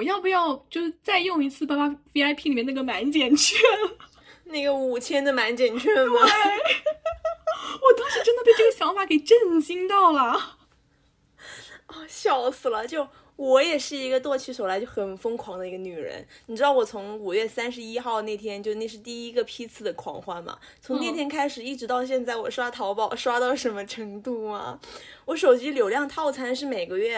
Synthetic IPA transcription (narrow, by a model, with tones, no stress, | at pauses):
jɑ˥˩ʊpu˧˩jɑ˥˩ʊt͡ɕjo˥˧ʊʂ̩˥t͡sa˥˧ɪjʊ˥˩ŋi˧˥t͡sʰɹ̩˥˩pa˥ma˥fe˥a˥ɪpʰi˥˩li˨˩mjɛ˥˩na˥˩ɡə˩ma˧˥nt͡ɕjɛ˨˩nt͡ɕʰɛɛ˥˩ | na˥˩ɡə˩u˨˩t͡ɕʰjɛ˥nd̪ə˨ma˧˥nt͡ɕjɛ˨˩nt͡ɕʰɛ˥˩ɐ˧e˥ | wɔ˨˩t̪ɑ˥ŋʂɻ̩˥˧˩ʈ͡ʂə˥nd̪ə˧p̪e˥˩ʈ͡ʂɤ˥˩ɡə˩ɕjɑ˧˥ŋfa˨˩˥ke˨˩ɪʈ͡ʂə˥˩nɕi˥ŋt̪ɑ˥˩ʊlə˩ | ɔ˥˩ɕjɑ˨˩ʊsɹ̩˨˩lə˦t͡ɕjo˥˩ʊ | wɔ˧˥jɛ˨˩ʂɻ̩˥˩i˧˥ɡə˧t̪wɔ˥˧t͡ɕʰy˧˥˩ʂo˨˩ʊla˧˥ɪt͡ɕo˥˩ʊxə˨˩nfɤ˥ŋkʰwɑ˧˥ŋd̪ə˧i˧˥ɡə˧ny˨˩ɻə̰˧˥nni˨˩ʈ͡ʂɻ̩˥ɑ˥˩ʊwɔ˨˩t͡sʰʊ˧˥ŋu˨˩ɥɛ˥˩sa˥nʂ̬ɻ̩˧˥i˥xɑ˥˧ʊne˥˩ɪt̪ʰjɛ˥nt͡ɕjo˥˧ʊne˥˧ʂɻ̩˥˧t̪i˥˩i˥ɡə˧pʰi˥t͡sʰɹ̩˥˩d̪ə˩kʰwɑ̰˨˩ŋxwa˥nmɐ̰˩ | t͡sʰʊ˧˥ŋne˥˩ɪt̪ʰjɛ˥nkʰa˥ɪʂɻ̩˨˩i˥˩ʈ͡ʂɻ̩˧˥t̪ɑ˥˧ʊɕ̬jɛ˥˧nt͡sa˥˩ɪwɔ˨˩ʂwa˥t̪ʰɑ˧˥ʊpɑ˥˩ʊʂwa˥t̪ɑ˥˩ʊʂə˧˥nmə˧ʈ͡ʂʰɤ˧˥ŋt̪u˥˩mɐ̰˩wɔ˧˥ʂo˨˩ʊt͡ɕi˧˥ljo˨˩ʊljɑ˥˧ŋt̪ʰɑ˥˩ʊt͡sʰa˧˥nʂɻ̩˥˩me˨˩ɪɡə˦ɥɛ˥˩